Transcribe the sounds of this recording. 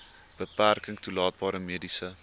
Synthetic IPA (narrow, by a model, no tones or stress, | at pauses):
b̥əpærkəŋtulɑːt̚bɑːɾəmiədisə